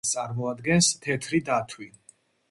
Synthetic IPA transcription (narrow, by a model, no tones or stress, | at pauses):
t̪sʼaɾmɔad̪ɡɛnst̪ʰɛt̪ʰɾid̪at̪ʰwi